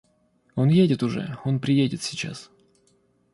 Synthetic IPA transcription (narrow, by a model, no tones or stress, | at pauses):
o̞njedʲɪt̪ʊʐɛ̰o̞npɾʲɪjedʲɪt̪sʲɪt͡ɕa̰s